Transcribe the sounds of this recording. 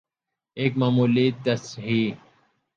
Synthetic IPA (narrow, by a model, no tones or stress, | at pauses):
eːkmaːmuːliːt̪̚d̪ɐsɦiː